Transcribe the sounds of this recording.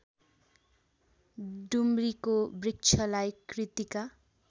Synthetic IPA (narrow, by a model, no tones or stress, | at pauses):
dumrikobrik̚t͡sʰʌlajkrit̪ika